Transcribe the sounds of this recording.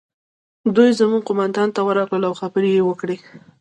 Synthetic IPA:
d̪ujzamuɡ̚qʊmand̪ɑnt̪awəɾɑɡləlawxabəɾejewəkɽe

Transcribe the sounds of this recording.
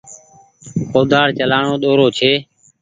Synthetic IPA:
koːd̪ʱaːɽt͡ʃəlaːɳoːɗ̪oːɾoːt͡ʃʰeː

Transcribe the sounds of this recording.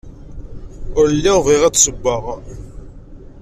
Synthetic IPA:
ʊɾlːiviʁæt͡sːsəbːəʁ

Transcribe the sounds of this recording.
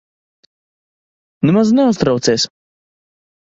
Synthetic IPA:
nemaznɛust̪ɾawt̪seːs

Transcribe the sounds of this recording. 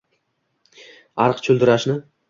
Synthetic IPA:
ɑɾqt͡ʃʰʊld̪ɪɾaʃnɪ

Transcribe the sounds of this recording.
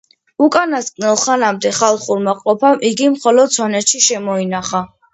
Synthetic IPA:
ukʼanast̪kʼnɛlˠχanamd̪ɛχalˠχuɾmaqʼɔpʰamʔiɡimχɔlɔd̪̚sʰwanɛt̪ʃiʃɛmɔinaχa

